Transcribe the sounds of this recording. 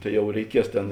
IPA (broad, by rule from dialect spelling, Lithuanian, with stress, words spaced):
ˈtɐɪ ˈjɛʊ rʲɛɪˈkʲiɛs ˈtʲeːn